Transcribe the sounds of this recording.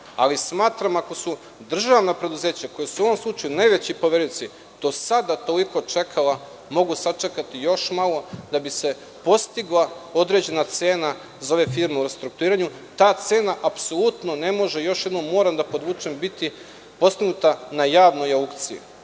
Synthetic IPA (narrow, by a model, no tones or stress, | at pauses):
a̰lismaːt̪ɾamako̞su | d̪r̩ʒaʋnapɾe̞d̪uze̞ːt͡ɕako̞jasuoʋo̞mslˠut͡ʃajunajʋe̞t͡ɕipo̞ʋe̞ɾujt̪si | d̪̥o̞sad̪at̪o̞liko̞t͡ʃe̞kʰala | mo̞ɡusat͡ʃekat̪ijo̞ʃmalˠo̞d̪abise̞ | po̞st̪iɡlˠao̞d̪ɾe̞d͡ʑe̞nat̪se̞ːna | zaoʋe̞fiːɾmeuɾest̪ɾuk̚t̪uɾiːɾaɲu | t̪aːt̪se̞ːnaʔapso̞lˠut̪no̞ne̞mo̞ʒe̞jo̞ʃjed̪no̞mːo̞ːɾamd̪apo̞d̪ʋuːt͡ʃembit̪i | po̞st̪iɡnut̪anajaːʋnojaukt̪siḭ